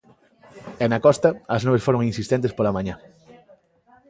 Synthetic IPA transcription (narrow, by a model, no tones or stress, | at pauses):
ɛnɐkɔst̪ɐɐznoβesfoɾoŋinsist̪ent̪espolamãɲa